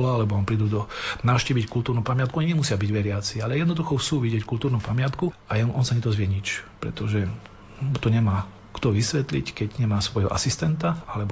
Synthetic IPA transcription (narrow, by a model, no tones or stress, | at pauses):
laalɛbɔɔmpɾiːd̪uːd̪ɔnaʊʃciːʋickult̪uːɾnupamɪat̪kuɔɲiɲɛmusɪabiɟʋɛɾɪat͡sialɛjɛd̪nɔd̪uxɔxt͡ssuːʋiɟɪɛckult̪uːɾnumpamɪat̪kuajnʔɔnsaɲɛd̪ɔzʋɪɛɲit͡ʃpɾɛ̰t̪ɔʒɛ | ut̪ɔɲɛmaː | kt̪ɔʋisʋɛt̪lickɛɟɲɛmaːsʋɔjɦɔ̰ʔa̰sist̪ɛnt̪aalɛbɔ